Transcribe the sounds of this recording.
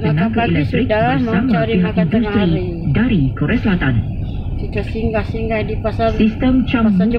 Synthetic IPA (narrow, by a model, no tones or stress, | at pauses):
ənãkailɛk̚t̪ɾikbəsamaãiɦakndust̪ɾi | daɾikoɾeasəlat̪ãn | siŋɡsiŋdipassist̪əmt͡ʃa